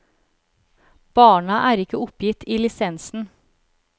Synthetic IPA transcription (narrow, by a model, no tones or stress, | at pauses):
b̥ɑːɳɑʔæːɾɪkəʊpjɪt̪ʰiːlɪsɛnsn̩